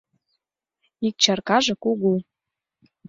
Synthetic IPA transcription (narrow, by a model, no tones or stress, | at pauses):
ik̚t͡ɕarkɑʒɤ̆kuɣu